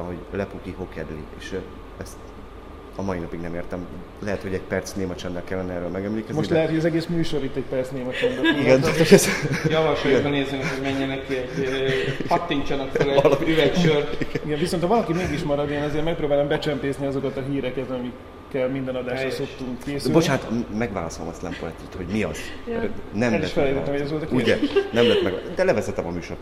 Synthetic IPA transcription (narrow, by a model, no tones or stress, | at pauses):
ɦoɟlɛpukiɦo̞kɛd̪lḭḛːʃ | ɛst̪ | ɒmɒinɒpiɡnɛmeːrt̪ɛm | lɛɦɛt̪ho̞ɟɛɟpɛrt̪sneːmɛt͡ʃɛnːɛlkɛlːɛnɛɛːɾøːlmɛɡɛmleːkɛzo̞ʃtllɛɦɛt̪hoɟɒzɛɡeːsmyːʃo̞ɾit̪ːɛc̚pɛrtsneːmɛt͡ʃɛnd̪ɛliɡɛnokɛzjɒvɒʃɔd̪oneːzenɛkhoɟmɛɲːɛnɛkːiɛɟ | ɒt̪ːiɲt͡ʃɒnɒkfølɛlyvɛkʃøriɡɛɱviso̞nt̪hɒvɒlɒkimeːɡiʃmɒɾɒd̪eːnɒzeːrmɛk̚pɾoːbaːlɛmbɛt͡ʃɛmpeːzniɒzo̞kɒt̪ɒɦiːɾɛkɛt̪ɒmikː | ɛlmind̪ɛnɒd̪aːʃrɔsopt̪ːuŋkkeːsylbot͡ʃaːnt̪ʰmɛɡʋa̰ːlɒ̰solo̰mɒslɛ̰mpoɛ̰t̪ːyt̪ho̞ɟmiɒ̰z̥ɛnɛmɛʃfɛlɛjt̪ɛt̪ːmhojɛzʋolt̪ɒkiuɛnɛmlɛt̪mɛ̰ɡa̰d̪ɛlɛvɛzɛt̪ɛmɒmyːʃo̰r